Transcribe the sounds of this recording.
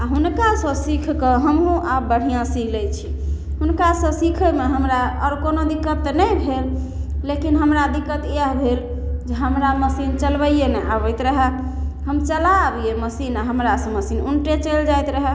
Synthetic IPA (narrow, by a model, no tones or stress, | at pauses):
aɦunkasə̃sikʰkəɦəmɦũʔabəɽ̤ijãsilɛt͡ʃʰi | ɦunkasə̃sikʰəmeɦəmɾaɔɾkonod̪ikːət̪ːnəjbʱelː | ekinɦəmɾad̪ikːət̪əɦbʱel | d͡ʒeɦəmɾaməsint͡ʃəlbəjjenɛʔabəjt̪ɾəɦɛ | ɦəmt͡ʃəlabieməsinaɦəmɾasə̃məsinunʈet͡ʃəld͡ʒajt̪ɾəɦɛ